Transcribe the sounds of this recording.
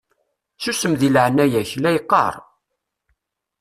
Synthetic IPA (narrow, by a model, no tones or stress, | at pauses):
susəmðilʕnæjæçlæjqːɑ̰ɾˤ